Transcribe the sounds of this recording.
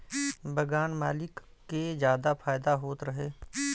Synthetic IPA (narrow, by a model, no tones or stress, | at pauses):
bɐɡaːnmaːlɪkː | ed͡ʒjaːd̪apʰaːjd̪aɦoːt̪ɾɐɦeː